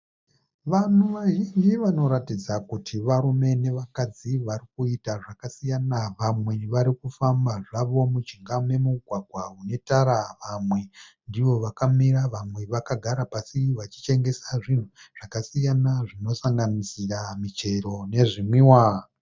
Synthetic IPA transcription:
ʋan̤uʋaʒind͡ʒiʋano̞ɾatid͡zakutʰiʋaɾume̞ne̞ʋakad͡ziʋaɾikuitaʐakasijanaʋamwe̞ʋaɾikufambaʐaʋo̞mut͡ʃiŋɡamemuɡʱwaɡʱwaune̞taɾaʋamwe̞ | ndiʋo̞ʋakamiɾaʋamwe̞ʋakaɡʱaɾapasiʋat͡ʃi̥t͡ʃe̞ŋɡe̞saʐin̤uʐ̥akasijanaʐino̞saŋɡanisiramit͡ʃe̞ɾo̞ne̞ʐimwiwa

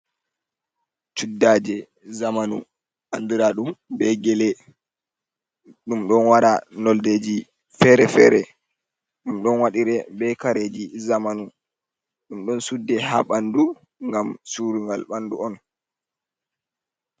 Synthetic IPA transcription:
t͡ʃudːaːd͡ʒɛ | zamanṵ | ʔandiɾaɗumbɛɡɛlɛ | ɗumɗɔnwaɾanɔlded͡ʒi | fɛɾɛfɛ̰ːɾɛ̰ | ɗumɗɔnwaɗiɾɛbɛkaɾed͡ʒizamanu | ɗumɗɔnsudːɛha̰ɓandu | ŋɡamsuɾuŋɡalɓanduɔn

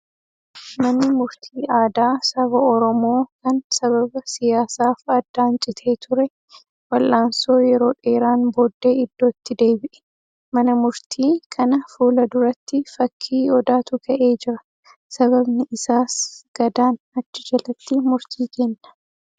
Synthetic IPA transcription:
mɐnːɪmʊɾt̪ʰiːʔaːd̪aːsɐβɐɔɾɔmo̞ːkɐnsɐβɐbɐsɪjaːsaːfɐd̪ːaːnt͡ʃʼɪt̪ʰe̞ːt̪ʰʊɾɛ | wɐlʔaːnso̞ːjɛɾo̞ːᶑe̞ːɾaːnbo̞ːd̪ːeːɪd̪ːo̞ːt̪ːɪd̪e̞ːbɪʔɛ̥ | mɐnɐmʊɾt̪ʰiːkʰɐnɐfuːlɐd̪ʊɾɐt̪ːɪfɐkʰːiːɔd̪aːt̪ʊkʰɐʔe̞ːd͡ʒɪɾɐ | sɐβɐbnɪɪsaːsɡ̥ɐd̪aːn | ɐt͡ʃːɪd͡ʒɐlɐt̪ːɪmʊɾt̪ʰiːkenːɐ̥

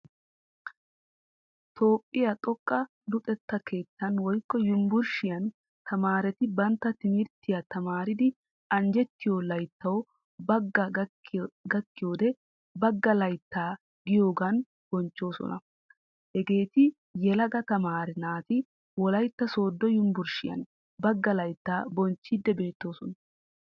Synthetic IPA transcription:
t̪ʰo̞ːpʼːɪjɐt̪ʼɔkʼːɐ | lʊt̪ʼɛt̪ːɐke̞ːt̪ːɐnwɔjkːɔjʊmbʊɾʃɪjɐn | t̪ʰɐmaːɾɛt̪ɪbɐnt̪ːɐt̪ɪmɪɾt̪ːɪjɐt̪ɐmaːɾɪd̪ɪ | ɐnd͡ʒɛt̪ːɪjolɐjt̪ːɐw | bɐɡːɐ | ɡɐkːɪjo̞ːd̪ɛ | bɐɡːɐlɐjt̪ːaː | ɡɪjo̞ːɡɐn | b̥ɔnt͡ʃːo̞ːsɔ̰nɐ̰ | hɛɡe̞ːt̪ɪ | jɛlɐɡɐt̪ɐmaːɾɪnaːt̪ɪ | wɔlɐjt̪ːɐso̞ːd̪ːɔjʊmbʊɾʃɪjɐ̰n | bɐɡːɐlɐjt̪ːaːbɔnt͡ʃːɪd̪ːɛbe̞ːt̪ːo̞ːsɔnɐ

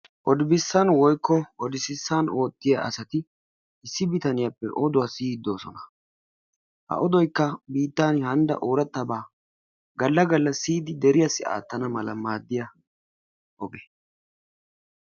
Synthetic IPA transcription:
ʔɔd̪ɪbɪsːɐnwɔjkːɔʔɔd̪ɪsɪsːanoːt̪ːɪjɐʔɐ̰sɐt̪ɪ | ɪsːɪbɪt̪ɐnɪjɐpːɛʔɔd̪ʊwɐsiːd̪ːo̞ːsɔnɐ̥ | hɐ̰ʔɔd̪ɔjkːɐbiːt̪ːaːnhɐnd̪ɐ̰ʔoːɾɐt̪ːɐbaː | ɡɐlːɐɡɐlːɐsiːd̪ɪd̪ɛɾɪjɐsːɪa̰ːt̪ːɐnɐmɐlɐmaːd̪ːɪjɐ | ɔbɛ

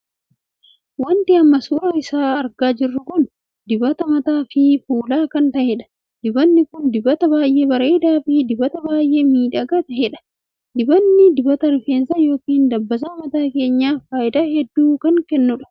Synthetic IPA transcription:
wɐnt̪ɪɐmːɐsuːɾɐɪsaːɐɾɡaːd͡ʒɪrːʊkʊn | d̪ɪbɐt̪ɐmɐt̪aːfɪfuːlaːkɐnt̪ɐhɛᶑɐ̥ | d̪ɪbɐnːɪkʊnd̪ɪbɐt̪ɐbaːjʔe̞ːbɐɾe̞ːd̪aːfɪd̪ɪbɐt̪ɐbaːjʔe̞ːmiːᶑɐɡɐt̪ɐhɛᶑɐ̥ | d̪ɪbɐnːɪd̪ɪbɐt̪ɐɾɪfeːnsɐjo̞ːkiːnd̪ɐbːɐs̬aːmɐt̪aːke̞ːɲːaːfaːʔɪd̪aːhɛd̪ːuːkɐŋkɛnːʊᶑɐ̥

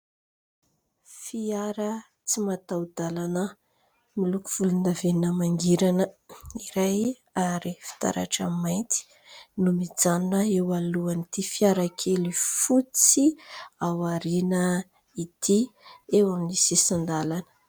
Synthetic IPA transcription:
fiaɾə | t͡simat̪awd̪alanə | miluku̥v̥ulund̪avenəmaŋɡiɾanəiɾaj | aɾifi̥t̪a̰ɾa̰ʈ͡ʂa̰majnt̪i̥ | numid͡zanunəewaluanit̪ifiaɾakʰelifut͡siawaɾinə | it̪iewaminisisand̪alanə̥

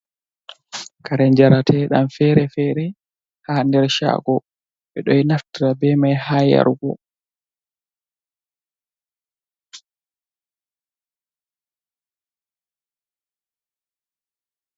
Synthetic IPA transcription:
kaɾɛɲd͡ʒaɾatʰɛɗa̰mfɛɾɛfɛːɾɛ | haːndɛɾʃa̰ːɡɔ | ɓɛɗɔjnaftiɾabɛmajhaːja̰ɾɡɔ̰

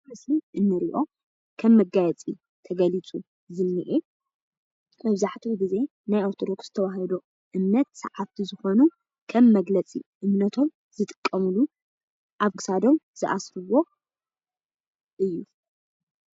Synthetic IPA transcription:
mɨsliʔɨnːɨɾiʔo̞ | kʰɐmːɐɡajɛt͡sʼi | t̪ʰɐɡɐlit͡sʼu | zɨnːɨʔe | mɐβzaħt̪ʰiwɡize̞ | najaɾt̪ʰod̪oksz̥ɨt̪ʰɐwaɦɐd̪o | ʔɨmnɐt̪sɐ̰ʕaft̪ʰizɨxo̞nu | kʰɐmːɐɡlɐt͡sʼḭʔɨmnɐt̪ʰo̞m | z̥ɨt̪ʼɨ̥kʼːɐmulu | ʔaβkʰɨ̥sad̪o̞mz̥ɨʔasɾɨwo̞ | ʔɨjːu

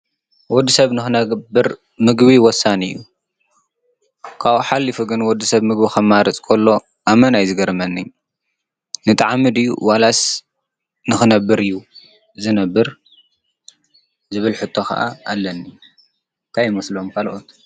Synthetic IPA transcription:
wɔd̪ːisɐβnɨxɨnɐbɨɾ | mɨɡβiwɔsːanɨjːṵ | kʰaβuħalːifuɡɨnwɔd̪ːisɐβmɨɡbixʰɐmːaɾɐt͡sʼkʰolːo̞ | ʔamɐnajzɨɡɐɾmɐnːiɲ | nɨt̪ʼɐʕamːɨd̪ɨjːṵwalas | nɨxɨnɐbːɨɾɨjːu | zɨnɐbːɨɾ | zɨβɨlħɨt̪ʰːo̞xɐ̰ʔa̰ʔalːɐnːi | nt̪ʰajɪmɐslomkʰalʔot̪

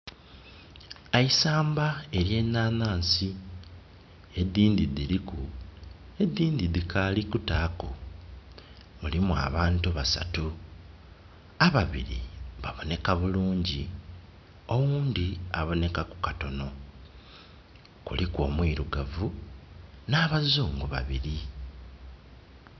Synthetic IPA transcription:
aisaːmbae̞ɾje̞ːnːaːnaːnsi | e̞d̪ːiːnd̪idiliku | e̞d̪ːiːndidikʰalikutako | mulimua̰βaːntuβasa̰tu | aβaβḭɾḭβaβo̞ne̞kaβuluːɲɟi | o̞wuːndiaβo̞ne̞kaku̥kato̞no̞ | kṵlikwo̞ːmwiːɾuɡavu | naːβazuːŋɡuβa̰βiɾi

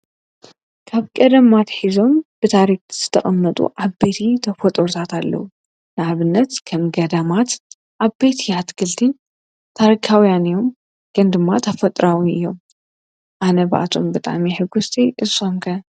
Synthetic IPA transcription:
kʰaβkʼɐd̪ɐmat̪ħizo̞mb̥ɨt̪ʰaɾik̚z̥ɨt̪ʰɐχʼɐmːɐt̪ʼṵʔaβbet̪ʰit̪ʰɐfot̪ʼoɾut̪ʰat̪alːɐ̰wu | nɨʕaβɨnːɐt̪kʰɐmɡɐd̪ɐmat̪ | ʔaβbet̪ʰiat̪ɡʰɨlt̪ʰin | t̪ʰaɾikʰawjanɨjo̞m | ɡ̥ʰɨnd̪ɨmːat̪ʰɐfɐt̪ʼɾawiɨ̰jːo̞m | ʔanɐbʔa̰t̪ʰombɨt̪ʼa̰miħɨɡust̪ʰiʔɨso̞mkʰɐ

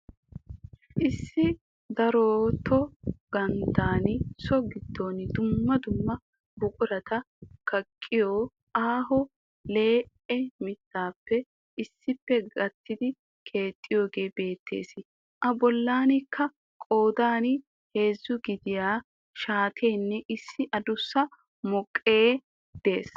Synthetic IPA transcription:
ʔɪsːɪ | d̪ɐɾot̪ʰɔɡ̥ɐnt̪aːnɪsɔɡɪd̪ːo̞ːnd̪ʊmːɐd̪ʊmːɐ | bʊkʼʊɾɐt̪ɐ | kɐkʼːɪjoː | ʔaːɦɔ | le̞ː | ɛmɪt̪ːaːpːɛ | ʔɪsːɪpːɛɡɐt̪ːɪd̪ɪ | kʰe̞ːt̪ʼːɪjo̞ːɡe̞ːbe̞ːt̪ʰːe̞̰ːsɪ | ʔɐbɔlːaːnɪkːɐ | kʼo̞ːd̪aːn | he̞ːzːʊɡɪd̪ɪjaː | ʃaːt̪ʰe̞ːnːɛʔɪsːɪʔɐd̪ʊsːɐ | mɔkʼːeː | d̪̥e̞̰ːs

